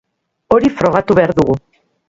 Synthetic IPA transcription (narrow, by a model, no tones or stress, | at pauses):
o̞ɾifɾo̞ɣ̞at̪uβe̞aɾðuɣu